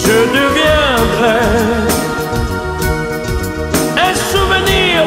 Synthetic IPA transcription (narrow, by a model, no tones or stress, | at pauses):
ʒəd̪əvjɛ̃d̪ʁɛ | ɛ̃suvəni